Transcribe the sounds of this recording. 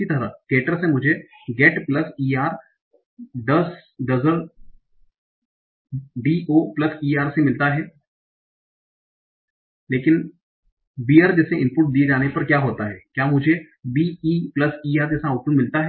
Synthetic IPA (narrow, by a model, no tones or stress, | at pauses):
it̪ɐɾakeːʈəɾsemʊd͡ʒʱe | ɡɛːʈplɐsiːaːɾ | ɖɐsɖɐzəɾ | ɖiːʔoːplɐsiːaːɾsemɪlt̪aɦɛː | leːkɪn | biːaːɾd͡ʒɛːseʔɪ̃mpʊʈ̚d̪ied͡ʒaːnepɐɾkjaːɦoːt̪aɦɛːkjaːmʊd͡ʒʱe | biːiːplɐsiːaːɾd͡ʒɛːsaaːpʊnmɪlt̪aɦɛ